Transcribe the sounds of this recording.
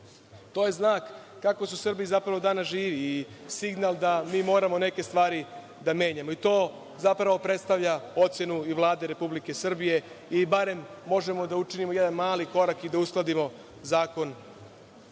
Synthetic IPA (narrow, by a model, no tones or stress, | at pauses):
t̪o̞ːje̞znaːkː | akosusr̩biizapɾaʋo̞d̪aːnaʒiːʋiː | siɡnalˠd̪amiːmo̞ːɾamone̞ke̞st̪ʋaːɾi | d̪ame̞ːɲamo̞it̪o̞ː | zapɾaʋo̞pɾet̪st̪aʋʎao̞t̪sje̞nuiʋlˠaːd̪e̞ɾe̞publike̞sr̩bije̞ | ibaɾe̞mːo̞ʒe̞mo̞d̪aut͡ʃinimo̞jed̪anmaːliko̞ɾakid̪ausklˠad̪imo̞ | zaːko̞n